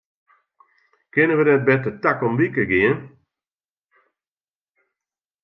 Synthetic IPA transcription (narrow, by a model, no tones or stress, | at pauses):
kɪnənʋədɛt̚bɛtətakɔmbikəɡɪən